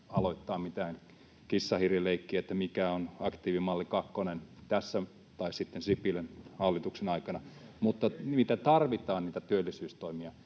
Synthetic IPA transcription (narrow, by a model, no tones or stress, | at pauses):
ɑloit̪ːɑːmit̪æːŋ | kisːɑhirjeleikːiæet̪ːæmikæonɑkt̪iːʋimɑlːikɑkːonent̪æsːæ | t̪ɑissit̪ːensipːilenhɑlːit̪uksenɑikɑnɑmut̪ːɑmit̪æt̪ɑrʋit̪ɑːnniːt̪æt̪yølːisyːst̪oimiɑ